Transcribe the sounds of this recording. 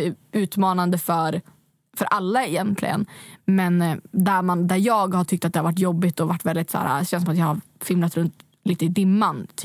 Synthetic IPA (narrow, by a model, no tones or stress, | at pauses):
ʉ̟ːt̪mɑːnand̪əfœɾ | fœɾʔalːaɛjɛnt̪ʰlɪ̰ɡə̰nmɛnd̪æɾmand̪æɾjɑːɡhaʈʰʏkt̪at̪̚d̪ɛhaɾvaʈ̬ːjɔbːɪt̪ɔvaʈːvɛld̪ɪt̪sæ̰ːɾa̰ɕɛnsɔmat̪jɑːhaɾfɪmlat̪ɾɵnt̪ | liːt̪əɪd̪ɪmːant̪ʰː